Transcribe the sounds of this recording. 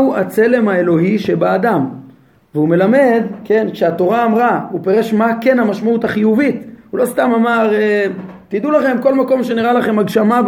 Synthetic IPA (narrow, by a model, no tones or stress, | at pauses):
uat͡se̞le̞mae̞lo̞ɦiʃe̞baːd̪am | veume̞lame̞d̪ke̞nkʃeat̪o̞ʁaːmʁaupe̞ʁe̞ʃmake̞nhamaʃmautaχijuvit̪hulo̞st̪amamaʁe | t̪id̪ulaχe̞mko̞lmako̞mʃe̞niʁalaχe̞maɡʃamab